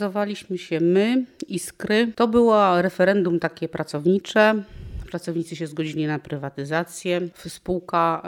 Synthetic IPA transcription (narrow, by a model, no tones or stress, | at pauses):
zɔvalʲiɕmɘɕɛmɘiskɾɘt̪ɔbɘwaɾɛfɛɾɛnd̪umt̪akʲɛpɾat̪sɔvɲit͡ʂɛpɾat̪sɔvɲit̪sɘɕɛzɡɔd͡ʑilʲinapɾɘvat̪ɘzat̪sʲjɛfspuwka